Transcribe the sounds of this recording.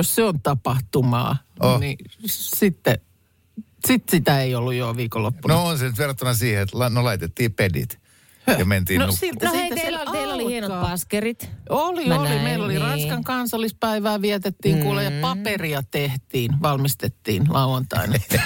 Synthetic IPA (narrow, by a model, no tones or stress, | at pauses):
josseont̪ɑpɑht̪umɑ̰ːnisit̪ːe | sit̪sit̪æeiolːujjoʋiːkolːopːunoonsenyt̪ʋerɑt̪ːunɑsiːheet̪lɑnolɑit̪et̪ːiːpedḭt̪ | jɑment̪iːnonusilæiæseɑeilolihienoɑːpɑskerit̪oliollimeilːolirɑnskɑŋkɑnsɑlːispæiʋæːʋiæt̪et̪ːiːŋkulːejjɑpɑp̪eriɑt̪eht̪iːnʋɑlmist̪et̪ːiːnlʔɑuwɑnt̪ɑ̰inɑ